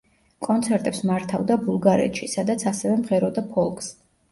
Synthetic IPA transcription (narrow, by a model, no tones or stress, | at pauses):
kʼɔnt̪sʰɛɾt̪ʼɛpsmaɾt̪ʰavd̪abulˠɡaɾɛ̰t̪ʼʃisad̪at̪sʰasɛvɛmʁɛɾɔd̪apʰɔlˠkʰʼs